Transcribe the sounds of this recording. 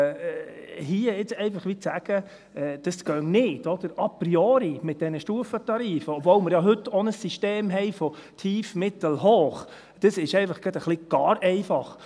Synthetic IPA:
hiːəɪt͡sɛɪfɑχʋit͡sæɡ̥ə | ɛd̪̥əsɡ̥œŋnɪːd̥ɔd̥̪əɾɑpriɔːɾimɪt̪̚d̥ɛnəʃtuːəfət̪ɑɾiːfəɔbvɔwməɾjɑɦɵtːɔnəsːiʃteːmɦɛɪfɔtʰiːfmɪt̪əl̩ɦoːχ | d̪̥əsɪʃɛɪfɑχɡ̥ɑdəχlɪɡ̥ɑːɾʔɛɪfɑχ

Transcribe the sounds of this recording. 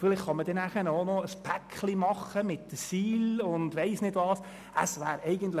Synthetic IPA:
fɪlɪχχɑmədɛnæχənoːnɔəspʰækχlimɑχəmɪtːəsiːlʊndʋɛɪsnɪdʋɑːs | ʔə̰sʋæːɾɛɪɡəntlə

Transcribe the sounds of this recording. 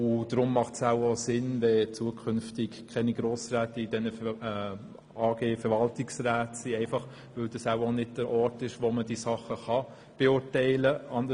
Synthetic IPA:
ʊd̥ɾʊmːɑχtsæʊosɪnʋɛt͡suəkʰʏnftɪkkʰɛniɡɾoːsɾæːtəid̥ɛnə | ɑːɡ̥eːfɛɾvɑltɪksræːtsiɛɪfɑχ | ʋɵld̥ɑsaʊonɪdd̥əɾʔɔːɾtɪʃʋoməd̥iːsɑχːəχɑ | b̥eʊɾtɛɪləʔɑndə

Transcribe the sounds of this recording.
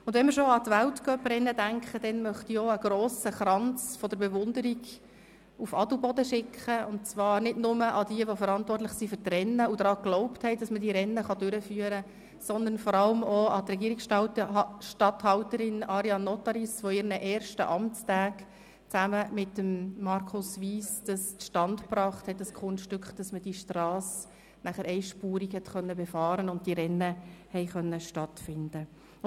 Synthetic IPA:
ʊndvʋɛnmɪɾʃoɑt̪ʋæltkœpɾɛnːədæŋkχəd̥ɛnmœχtiɔəɡ̥ɾoːsəχɾɑnt͡sfɔd̥̪əɾbeʋʊnd̪əɾiɡ | ufɑdəbɔdəʃɪkʰχəʊnt̚t͡sʋɑːɾnɪdnʊməʔɑd̥iəʋofəɾɑntʋɔrtlɪχsifʏtrɛnːəud̥̪ɾɑːɡ̥lɔʊpthɛɪd̥ɑsmədiːɾɛnːəχɑdøɾəfyːəɾə | sɔnd̪ənfɔɾɑləmɔɑt̪rɛɡiːɾiksɑtʃtɑthɑʊtəɾɪnɑɾjɑnːɔtɑɾisʋoɪɾnəʔɛːɾʃtə̰ʔɑmt͡stæːk | t͡sæməmɪtːəmːɑrkʰʊsʋiːsd̥ɑsʃtɑntpɾɑːχthɛt̚dɑskʰʊnʃtʏkχd̥ɑsməd̥iʃtrɑːs | næχəɾɛɪʃpuːɾikhɛtχœnːəbɛfɑːɾənʊnt̚d̥iɾɛnːəhɛɪχœnːəʃtɑtfɪndə

